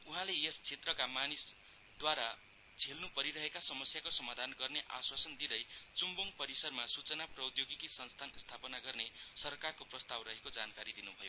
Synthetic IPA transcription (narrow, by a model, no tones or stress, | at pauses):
uɦãleest͡sʰet̪rʌkamanis | d̪waɾa | t͡sʰelnupʌɾiɾʌɦekasʌmʌsjakosʌmad̪ʱanɡʌrneʔa̰swasʌnd̪id̪ʌjt͡sumbuŋpʌɾisʌrmasut͡sʌnaprʌwd̪joɡikisʌnst̪ʰanst̪ʰapʌnaɡʌrnesʌrkarkoprʌst̪awrʌɦekod͡zankaɾid̪inubʱʌjo